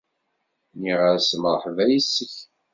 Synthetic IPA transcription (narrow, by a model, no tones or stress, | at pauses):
niʁəɾsməˤħvæjisːəç